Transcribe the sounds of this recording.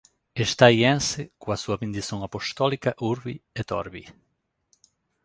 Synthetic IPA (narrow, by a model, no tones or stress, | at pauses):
est̪ajɛ̃nsɪkuasuɐbẽnd̪iθoŋapost̪ɔlikaʔuɾβiet̪ɔ̰ɾβḭ